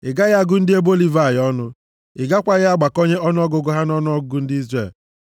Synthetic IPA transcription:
ɪ˨ɡa˦ɣa˦ɡʊ˦n̩˦dɪ˦e˦bo˦li˨va˨jɔ˦nʊ˦ | ɪ˨ɡa˦kʷa˨ɣɪ˦a˦ɡ͡ba˨ko˦ɲe˦ɔ˦nʊ˦ɔ˦ɡʊ˨ɡʊ˦ɦa˦n˦ɔ˦nʊ˦ɔ˦ɡʊ˦ɡʊ˦n̩˦dɪ˦i˦zre˦˨l

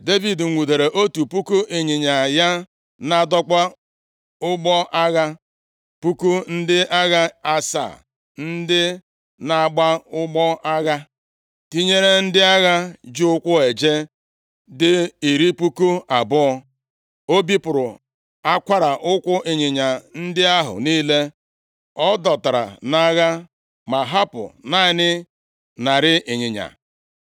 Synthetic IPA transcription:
de˦vi˨dŋ̩˨ŋʷu˨de˨ɾe˨ʔo˦tu˨pu˦ku˦ʔe˨ɲɪ˨ɲa˨ja˦ | na˦˨dɔ˦kʷa˦ | ʊ˦ɡ͡bɔ˦ʔa˦ɣa˦ | pu˦ku˦n̩˦dɪ˦ʔa˦ɣa˦a˦sa̰˨ | n̩˦dɪ˦ | na˨a˨ɡ͡ba˦ʊ˦ɡ͡bɔ˦a˦ɣa˦ | ti˦ɲe˦ɾe˦n̩˦dɪ˦a˦ɣa˦d͡ʒu˦ʊ˦kʷʊ˦e˨d͡ʒe˦ | dɪ˦i˨ɾi˦pu˦ku˦a˨bʊ˦ɔ˦ | o˦bi˦pʊ˨ɾʊ˨ | a˦kʷa˦ɾa˨ʔʊ˦kʷʊ˦ʔɪ˨ɲɪ˨ɲa˨n̩˦dɪ˦a˦ɦʊ̰˨niː˦le˦ | ɔ˦dɔ˨ta˨ɾa̰˨na˦ɣa˦ | ma˨ɦa˦pʊ̰˨na˦˨˦nɪ˦ | na˨ɾɪ˦ʔɪ˨ɲɪ˨ɲa̰˨

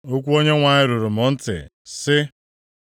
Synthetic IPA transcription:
o˦kʷu˦o˦ɲe˦ŋʷa˨ɲɪ˦ɾʊ˨ɾʊ˨m̩ɔ˦n̩˦tɪ̰˨sɪ˦

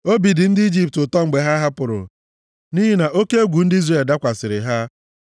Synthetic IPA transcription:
o˦bi˨dɪ˨n̩˦dɪ˦i˦d͡ʒi˦p̚tʊ˨tɔ˦ŋ͡m̩˨ɡ͡be˨ɦa˦ɦa˦pʊ˨ɾʊ̰˨ | ni˦ɦi˦na˨ʔo˦ke˦e˦ɡʷu˨n̩˦di˦zre˨lda˦kʷa˨sɪ˨ɾɪ˨ɦa˦

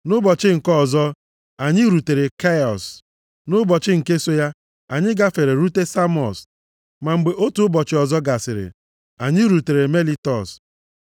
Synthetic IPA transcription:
nʊ˦bɔ˨t͡ʃɪ˦ŋ̩˨kɔ˦˨zɔ˦ | a˨ɲɪ˦ɾu˨te˨ɾe˨ka˦ɔ̰˨s | nʊ˦bɔ˨t͡ʃɪ˦ŋ̩˨ke˦so˦ja˦ | a˨ɲɪ˦ɡa˦fe˨ɾe˨ɾu˦te˦sa˦mɔ̰˨s | ma˨ŋ͡m̩˨ɡ͡be˨ʔo˦tu˨˦bɔ˨t͡ʃɪ˦ɔ˨zɔ˦ɡa˨sɪ˨ɾɪ̰˨ | a˨ɲɪ˦ɾu˨te˨ɾe˨me˦li˦tɔ˨s

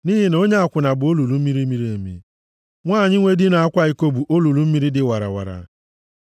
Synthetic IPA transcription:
ni˦ɦi˦no˦ɲe˦a˦˨kʷʊ˨na˨bʊ˨o˦lu˨lu˨˦mi˦ɾi˦mi˦ɾi˦e˨mḭ˦ | ŋʷaː˦˨ɲɪ˦ŋʷe˦dɪ˦na˨a˦kʷa˦i˨ko˦bu˨ʔo˦lu˨lu˦m̩˦mi˦ɾi˦dɪ˨wa˨ɾa̰˨wa̰˨ɾa̰˨

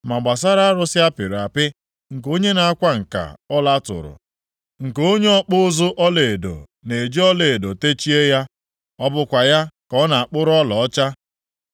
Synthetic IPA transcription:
ma˨ɡ͡ba˨s̬a˦ɾa˦a˦ɾʊ˦sɪ˦a˦pi˨ɾa˨pɪ˦ | ŋ̩˨ko˦ɲe˦na˨a˦kʷa˦ŋ̩˨ka̰˨ɔ˦la˦tʊ̰˨ɾʊ̰˨ | ŋ̩˨ko˦ɲe˦ɔ˦k͡pʊ˦zʊ˦ʔɔ˦le˨do̰˨ | ne˨d͡ʒi˦ɔ˦le˨do˨te˦t͡ʃi˦e˦ja˦ | ɔ˦bʊ˦kʷa˨ja˦kɔ˦na˨a˨k͡pʊ˦ɾʊ˦ɔ˦lɔ˨ɔ˦t͡ʃa˦

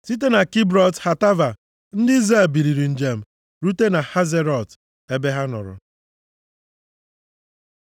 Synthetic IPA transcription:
si˦t̬e˦na˨ki˦bɾɔ˨tha˨ta˦va˨ | n̩˦dɪ˦i˦zae˦˨bi˨ɾi˨ɾi˨n̩˨d͡ʒe˨m̩˨ | ɾu˦te˦na˨ha˦ze˦ɾɔ˨t | e˦be˦ɦa˦nʊ̰˨ɾʊ̰˨

